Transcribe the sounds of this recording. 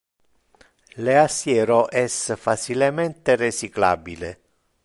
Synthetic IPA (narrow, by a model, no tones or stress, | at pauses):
leasjɛːɾoʔɛsfat͡ʃilemɛnt̪eret͡ʃikla̰ːbile